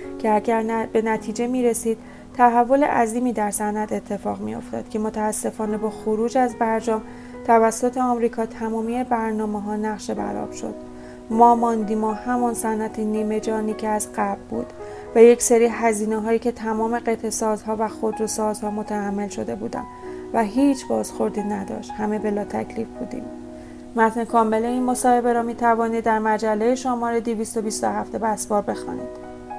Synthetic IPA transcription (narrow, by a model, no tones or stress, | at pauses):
cʰeæɟæɾbe̞næt̪ʰiːd͡ʒe̞miːɾe̞siːd̪̥̚ | t̪ʰæɦævːo̞lḛʔæziːmiːd̪æɾsænæt̪e̞t̪ʰːe̞fɒːɣmḭjo̞̰ft̪ʰɒ̰ːd̪̥cʰe̞mo̞t̪ʰæːsːe̞fɒːne̞bɒːxoɾuːd͡ʒæzbæɾd͡ʒɒːm | t̪ʰævæsːot̪ʰeɒmɾiːkʰɒːt̪ʰæmɒːmiːebæɾnɒːmeɦɒːnæɣʃe̞bæ̰ɾɒ̰b̥ʃo̞̰d̪̥ | mɒːmɒːnd̪iːmohæmɒnsænʔæt̪ʰeniːme̞d͡ʒɒːniːcʰeæzɢæbbṵːd̪̥ | væjecʰseɾiːɦæziːneɦɒːjiːcʰe̞t̪ʰæmɒːme̞ɢet̪ʰesɒːzɦɒːvæxod̪ɾosɒːzhɒːmot̪ʰæhæmːe̞lʃo̞d̪e̞buːd̪æ̰m | væɦiːt͡ʃʰbɒːz̥xo̞ɾd̪iːnæd̪ɒ̰ːʃt̪hæme̞be̞lɒːt̪ʰæcʰliːfb̥uːd̪ḭːm | mæt̪ʰnekʰɒːmːe̞leiːnmo̞sɒːhe̞be̞ɾɒmiːt̪ʰævɒːnid̪ːæɾmæd͡ʒælːejeʃomɒːɾed̪iviːst̪o̞bist̪ohæft̪e̞bæsbɒːɾbe̞xɒ̰ːnḭːd̪̥